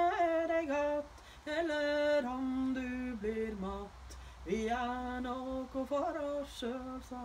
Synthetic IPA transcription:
æɖɛɡɔt̪ː | ɛlːəɾɔmd̪ʉbliɾmɔt̪ː | ʋɪænokʊfɔɾɔsʃøːlsɔ

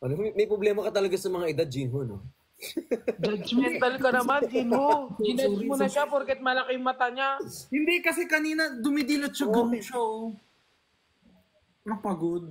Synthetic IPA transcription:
ʔɐnomɛjpɾoblɛːmɐkɐt̪ɐlɐɡasɐmɐŋaʔɪd̪ad̪̚d͡ʒɪnɦono | d͡ʒad͡ʒmɛnt̪ɐlkɐnɐmand͡ʒinhoɪnɐmʊnɐʃapoɾkɛt̪̚mɐlɐkɪŋmɐt̪aŋahɪnd̪ɛkɐsɛkɐniːnɐd̪ʊmid̪ilot̪̚t͡ʃɐɡɐmʃo | pɾɐpɐɡod̪̚

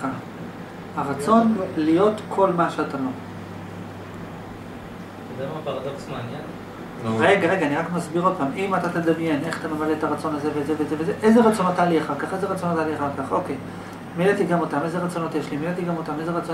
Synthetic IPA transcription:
a | haʁat͡so̞nlijo̞tkʰo̞lmaʃeatalo | odemapaʁad̪oksmaːnjen | ʁeɡaʁe̞ɡaːniʁakmasbiʁolpamʔimat̪at̪ed̪amje̞ne̞χḁt̪amemaleet̪aʁat͡so̞nazevezevezevezeʔejze̞ʁat͡so̞not̪ːaːliaχaʁkaχeze̞ʁat͡so̞notaliaχaʁkaχo̞kej | milet̪iɡamot̪ame̞zeʁat͡so̞no̞t̪jeʃlimilet̪iɡamot̪amezeʁat͡so

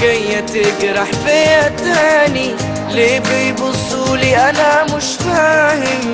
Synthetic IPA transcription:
ɡajːat̪ɪɡɾɑħfeat̪aːni | lebɪjbʊsˤːuliʔanamʊʃt̪aːhɪ

